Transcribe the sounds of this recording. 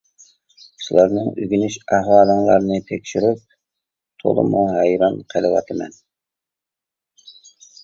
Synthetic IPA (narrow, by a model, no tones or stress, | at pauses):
ʃulˠɑɾnɨŋʔyɡʲynyʃæhwɑːlˠəŋlˠɑ̰ɾnɨt̪ʰɛkʲʃyɾyp̚ | t̪ʰo̰lˠɨ̰muɦɛjɾɑnqʰəlˠɨwɑ̰t̪ʰɨmɛ̰n